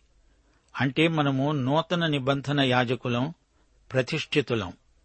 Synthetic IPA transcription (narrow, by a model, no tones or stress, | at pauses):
ɐɳʈe̞ːmɐnɐmunɔːt̪ɐnɐnibɐnd̪ʱɐnɐjaːd͡ʒɐkulɐm | pɾɐt̪iʂʈʰit̪ulɐ̰m